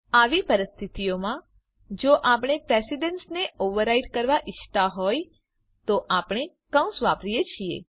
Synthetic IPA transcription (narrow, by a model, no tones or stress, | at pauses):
aʋipəɾɪst̪ʰit̪ijomã | d͡ʒoʔapɽ̃epɾesiɖənsneʔoʋəɾaiɖkəɾʋaʔɪʃʰt̪aɦoj | t̪oʔapɳ̃e | kə̃w̃sʋapɾijet͡ʃʰiḛ